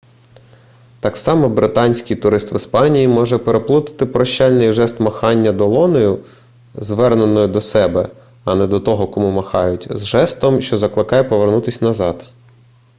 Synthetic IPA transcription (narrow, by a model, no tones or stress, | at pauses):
t̪ɑksɑmɔbɾɪt̪ɑnʲsʲkɪjt̪ʊɾɪst̪ʋɪspɑnʲijimɔʒɛpeɾeplˠut̪ɪ̥t̪ɪpɾɔʃt͡ʃɑlʲnɪjʒɛst̪mɐxɑnʲːɐd̪ɔlˠɔnɔjʊ | zʋɛrnenɔjʊd̪ɔsɛbɛ̰ | ɐnɛd̪ɔt̪ɔɦɔkɔmumɐxɑjʊtʲzʒɛst̪ɔmʃt͡ʃɔzɐklˠɪkɑjɛpɔʋernut̪ɪsʲnɐzɑd̪